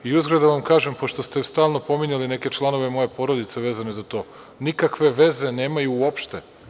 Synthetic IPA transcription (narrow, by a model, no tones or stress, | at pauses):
iuzɡɾod̪aʋamkaːʒempo̞ʃt̪o̞st̪est̪aːlˠno̞po̞miɲaline̞ke̞t͡ʃlˠano̞ʋe̞mo̞je̞po̞ɾo̞d̪it̪se̞ʋe̞ːzane̞zat̪o̞ː | nikakʋe̞ʋe̞ze̞ne̞ːmajuːopʃt̪e